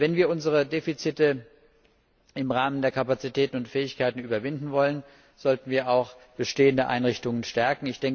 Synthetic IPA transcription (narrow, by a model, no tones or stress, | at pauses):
vɛnviːɐʔʊnzəʁədeːfit͡sɪtə | ɪmʁaːməndeːɐkʰapat͡sitʰɛːtn̩ʊntfɛːɪçkaɪtn̩yːbɐvɪndn̩vɔlən | z̥ɔltn̩viːɐaʊxb̥əʃteːəndəʔa̰ɪnʁɪçtʊŋənʃtɛɐkŋ̩ɪçd̥ɛŋ